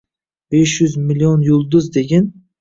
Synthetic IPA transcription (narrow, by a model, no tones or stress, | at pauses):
b̥eʃjʊzmilionjʊlˠd̪ʊzd̪eɡʲɪn